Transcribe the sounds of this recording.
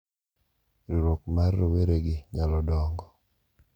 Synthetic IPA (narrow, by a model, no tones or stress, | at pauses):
ɾiɾok̚marːɔweɾeɡɪɲalɔdɔŋɡɔ